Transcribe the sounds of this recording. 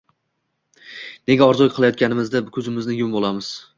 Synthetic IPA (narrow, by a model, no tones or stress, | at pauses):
ne̞ɡʲaɒɾzɒjqʰɨlˠajɒt̪̚kʲanɪmɪzd̪akʲʰɵzɪmɪznɪjʊmbolˠamɪz̥